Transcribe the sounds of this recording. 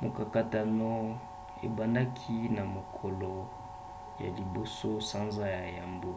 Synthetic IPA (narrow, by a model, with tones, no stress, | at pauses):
mo˨ka˨ka˦ta˨no˦ | ḛ˨ba˨nda˦kʰi˦na˨mo˨kʰɔ˨lo˨ | ja̰˨li˨bo˨so˦sa˦nza˦ja˨ja˨mbo˦